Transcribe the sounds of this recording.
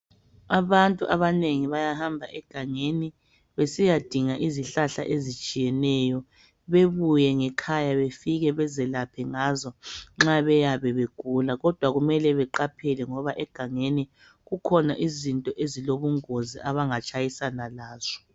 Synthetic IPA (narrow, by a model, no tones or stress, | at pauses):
aβantʼuʔaβaneŋiβajahambʱaʔɛɡ̥ʱaŋeni | βesijad̥ʱiŋaʔiziɬaɬa̰ʔezit͡ʃʼijɛnɛjɔ | βeβujɛŋɛkʰajaβefiɣɛβɛzɛlapʰɛŋazɔŋ͡ǁaβɛjaβɛβeɡ̥ʱulaɣɔd̥ʱwaɣumɛlɛβɛǃapʰɛlɛŋɔβaʔɛɡ̥ʱaŋeni | ɣukʰɔnaʔizintʼɔʔeziloβuŋoziʔaβaŋat͡ʃʼajisanalaːz̥ɔ̥